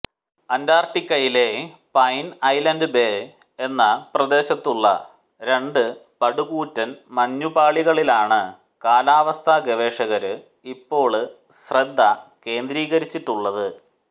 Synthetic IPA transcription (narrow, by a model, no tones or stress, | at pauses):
ɐndaːrʈːikʲːɐjile̞pɐjnɐjlɐndɨbe̞ | enːɐprɐd̪e̞ːɕɐt̪ːuɭːɐ̰ | ɾe̞ɳɖɨpɐɽuɣuːtːɐnmɐɲːubaːɭiɣɐɭilaːɳɨ | kaːlaːʋɐst̪ʰaɡeʋe̞ːʂɐɣɐɾɨ | ipːo̞ːɭ | ɕred̪ʱːɐke̞ːnd̪ɾiːɣɐɾit͡ɕːiʈːuɭːɐðɨ